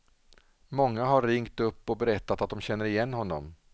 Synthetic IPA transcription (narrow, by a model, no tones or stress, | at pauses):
mɔŋːaɦaɾːɪŋkt̪ɵpːɔbɛɾɛt̪ːat̪at̪̚d̪ɔmɕɛnːəɾɪjɛnːɦɔnːɔ̰m